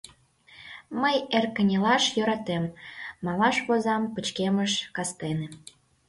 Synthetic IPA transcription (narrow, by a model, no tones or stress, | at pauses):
məjerkə̆nʲelɑʃjøɾɑt̪emːɑlɑʃβozɑmpət͡ɕkeməʃkɑst̪enĕ